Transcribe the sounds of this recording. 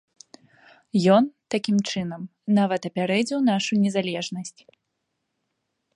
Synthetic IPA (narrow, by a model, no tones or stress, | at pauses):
jɔnt̪akʲimt͡ʂɨnɐmnavɐt̪ɐpʲaɾɛd͡zʲiwnaʂunʲɛzalʲɛʐnɐsʲt͡sʲ